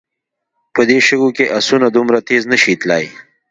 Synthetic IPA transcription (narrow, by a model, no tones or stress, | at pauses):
pəd̪eʃəɡokeʔasunad̪umɾat̪eznəʃit̪laj